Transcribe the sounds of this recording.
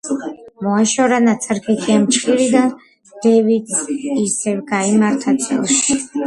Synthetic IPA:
mɔaʃɔɾanat̪sʰaɾkʰɛt̪ʰiamt͡ʃʰʼχʼiɾid̪a | d̪̥ɛvit̪isɛvɡaimaɾt̪ʰat̪ʰɔʃi

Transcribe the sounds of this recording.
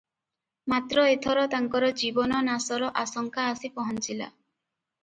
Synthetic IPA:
mat̪ɾɔet̪ʰɔɾɔt̪aŋkɔɾɔd͡ʒibɔnɔnasɔɾɔʔasɔŋkʰaːsipɔɦɔnt͡ʃila̰

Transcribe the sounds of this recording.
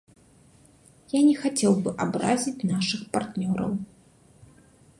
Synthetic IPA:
janʲɛxat͡sʲɛwbɨʔabɾa̰zʲit͡sʲnaʂɨxpart̪nʲɔɾɐ̰w

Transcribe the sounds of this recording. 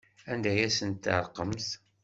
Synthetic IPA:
ænd̪æjæsənt̪ːəɾˤqəmθ

